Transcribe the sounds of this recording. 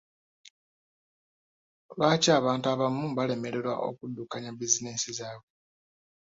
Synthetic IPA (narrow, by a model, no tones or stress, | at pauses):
lwaːcaːβaːntuaβamubale̞me̞ɾe̞ɾwa̰ʔo̞̰kudːukaɲabizineːsizaːβwe